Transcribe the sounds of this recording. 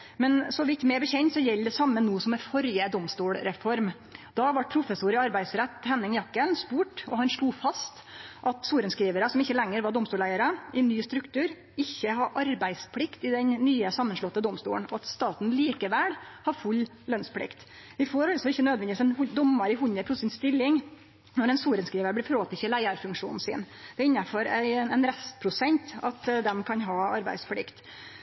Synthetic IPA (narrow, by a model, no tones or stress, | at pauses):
mɛnsɔʋɪt̪ːmɛbəçɛɲt̪sɔjɛld̪ɛsɑmːənuːsɔmɛfɔɾjəd̪ɔmst̪uːlɾɛfɔɾm | d̪ɑʋɑʈ̚pʰɾʊfəsuːɾɪɑɾbæɪsɾɛt̪ːhɛnːɪŋjɑkːənspuːʈɔhɑnʂluːfɑst̪ | ʔɑt̪suːɾənskɾiːʋəɾəsɔmɪçːəlɛŋːəɾʋɑɖ̪ɔmst̪uːɭæɪəɾəʔɛɪnːyːst̪ɾʉkt̪ʰʉːɾ | ɪçːəɦɑɾʔɑɾbæɪspʰlɪkt̪ɪd̪ɛɲːyːəsɑmːənʂlɔt̪ːəd̪ɔmst̪ṵːəɳnɔɑt̪st̪ɑːt̪n̩liːkəʋɛlhɑɾfʉlː | lœnspʰlɪ̰kt̪ | ʋɪfoɾɑlsɔɪçːənøːd̪ʋɛnd̪ɪʋiːsɛnhʊd̪ɔmːɑɾɪhʊɲəp̪ʰʊsɪnst̪ɪlːɪŋ | nɔɾɛnsuːɾənskɾiːʋəɾb̪lɛfɾoːt̪ɪçəlæɪəɾfʉŋkʂṵːnn̩sɪ̰n | d̪̥ɛɪnːɑfɔɾæɪɛnɾɛst̪pʰɾʊsɛnt̪ɑt̪d̪ɛmkʰɑnɦɑːɑɾbæ̰ɪsplɪkt̪